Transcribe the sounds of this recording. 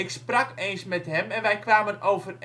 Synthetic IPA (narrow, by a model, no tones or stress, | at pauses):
ɪksprakeːnsmɛtɦɛmɛnʋɛjkʋaːmənoːvər